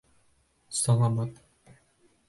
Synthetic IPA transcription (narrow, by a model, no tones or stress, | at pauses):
sɑlˠɑmɑt̪